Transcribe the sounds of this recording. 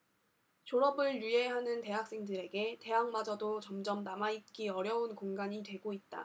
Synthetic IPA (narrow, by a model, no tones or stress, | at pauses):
t͡ɕoɾʌbɯɭjie̞ɦanɯnte̞ɦak̚s͈e̞ŋdɯɾe̞ɡe̞te̞ɦaŋmad͡ʑʌdot͡ɕʌmd͡ʑʌmnamait̚k͈iʌɾjʌunkoŋɡaɲitwe̞ɡoit̚t͈a̰